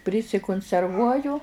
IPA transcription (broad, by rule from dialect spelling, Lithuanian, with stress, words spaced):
pʲrʲɪsʲɪkʊnʲsʲɛrˈʋuɔjʊ